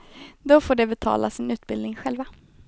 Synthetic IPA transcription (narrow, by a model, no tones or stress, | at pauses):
d̪ɔfoːɖɛbɛt̪ʰɑ̰ːlasɪnʉ̟ːt̪̚bɪld̪nɪŋɧɛlva